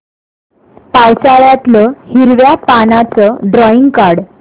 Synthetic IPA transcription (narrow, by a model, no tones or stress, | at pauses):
pawt͡saɭjat̪ləhiɾʋjapanat͡səɖɾɔiŋɡkaɾɽ